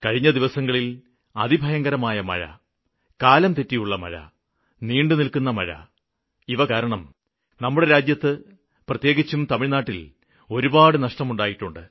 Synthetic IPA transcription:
kɐɻiɲːɐd̪iʋɐsɐŋːɐɭil | ɐðibʱɐjɐŋɡɐɾɐmaːjɐmɐ̰ɻɐ̰ | kaːlɐmt̪etːijuɭːɐmɐ̰ɻɐ̰ | niːɳɖɨnilkunːɐmɐ̰ɻɐ̰ | iʋɐkaːɾɐɳɐm | nɐmːuɽe̞ɾaːd͡ʑjɐt̪ːɨ | prɐt̪je̞ːɣit͡ɕːumt̪ɐmiɻnaːʈːil | o̞ɾubaːɽɨnɐʂʈɐmuɳɖaːjiʈːuɳɖɨ

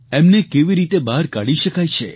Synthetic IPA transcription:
emnekeʋiɾit̪ebaɾkaɽiʃəkajt͡ʃʰe

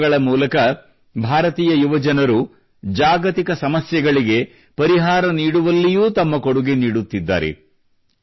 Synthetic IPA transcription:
ɐɭɐmuːlɐkɐ | bʱaːɾɐt̪iːjɐjuʋɐd͡ʒɐnɐɾu | d͡ʒaːɡɐt̪ikɐsɐmɐsjɛɡɐɭiɡe̞ | pɐɾiɦaːɾɐniːɽuʋɐlːijuːt̪ɐmːɐko̞ɽuɡeniːɽut̪ːid̪ːa̰ːɾḛ

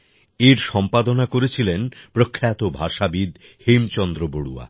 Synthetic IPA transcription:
eɾʃɔmpad̪onakoɾet͡ɕʰilenpɾokʰːeat̪obʱaʃabid̪ | hemt͡ɕɔnd̪ɾoboɽua̰

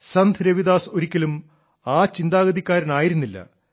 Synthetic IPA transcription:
sɐnd̪ʱɾeʋid̪aːso̞ɾikʲːɐlum | aːt͡ɕind̪aːɣɐðikʲːaːɾɐnaːjiɾunːilːɐ̰

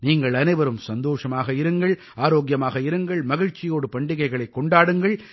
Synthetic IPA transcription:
niːŋɡɐɭɐnɐɪʋɐɾɯmsɐnd̪oːʂɐmaːɣɐɪɾɯŋɡɐɭ | aːɾoːɡjɐmaːɣɐɪɾɯŋɡɐɭmɐɣɪɻt͡ʃːɪjoːɽɯpɐɳɖɪɣɐɪɣɐɭɐɪkːɔɳɖaːɽɯŋɡɐɭ

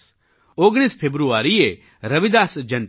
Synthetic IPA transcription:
oːɡɽ̃iːspʰeːbɾuaːɾie | ɾɐʋid̪aːsd͡ʒɐ̃n

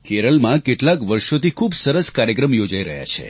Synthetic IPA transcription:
keɾəlmãkeʈlakʋəɾʃot̪ikʰubsəɾəskaɾjəkɾəmjod͡ʒaiɾəɦja̰t͡ʃʰḛ

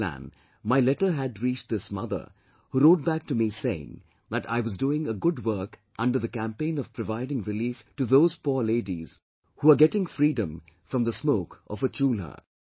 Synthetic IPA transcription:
æ̰̃n | maɪlɛʈə˞ɦɨdɹit͡ʃðɪsmʌ̰ðə̰˞ | huɾoʊt̚bæk̚tumiseɪɪ̰̃ŋ | ðəɾa̰ɪwʌzduɪ̃ŋəɡʊd̚wɜ˞kʔʌ̃ndə˞ðɨkæ̃mpẽɪ̃nʌv̥pʰɹɔvaɪɾɪ̃ŋɹɪliftɨðoʊz̥pɔɹleɪdiz̥ | huəɡɛɾɪ̃ŋfɾiːdə̃m | fɹʌ̃mðəsmoʊkʔʌ̰vət͡ʃulə̰˞

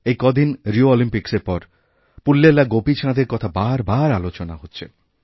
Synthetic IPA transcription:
ejkɔd̪ʱinɾioɔlimpikseɾpɔɾ | pulːelaɡopit͡ɕʰãd̪eɾkɔt̪ʰabaɾbaɾalot͡ɕonaɦotːɕʰe

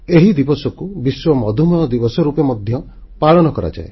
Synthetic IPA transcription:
eɦid̪ibɔsɔkubiswɔmɔd̪ʱumɔjɔd̪ibɔsɔɾupemɔd̪ʱjɔ | paɭɔnɔkɔɾa̰d͡ʒa̰e

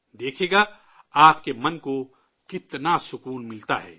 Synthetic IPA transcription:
d̪eːkʰeːɡaː | aːpkemɐnko | kɪt̪nasʊkuːnmɪlt̪aɦɛ̰ː

